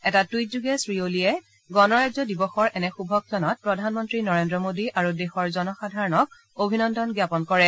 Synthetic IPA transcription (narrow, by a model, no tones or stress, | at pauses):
ɛtatwit̚zuɡɛsɹiolijɛ | ɡɔnɔɹajzɔdibɔxɔɹʔɛnɛxubʱɔk̚tʰɔnɔt̚pɹɔdʱanmɔntɹinɔɹendɹɔmodiʔaɹudexɔɹzɔnɔxadʱaɹɔnɔk̚ | obʱinɔndɔnɡjapɔnkɔɹɛ